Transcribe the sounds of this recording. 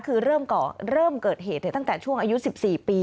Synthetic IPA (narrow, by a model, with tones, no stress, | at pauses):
kʰɯː˧ɾɤː˥˩mkɔː˨˩ɾɤː˥˩mkɤː˨˩t̪̚ɦeː˨˩t̪̚na˧˩t̪a˥˩ŋt̪ɛː˨˩t͡ɕʰu˥˩əŋʔaː˧ju˦˥si˨˩p̚siː˨˩piː˧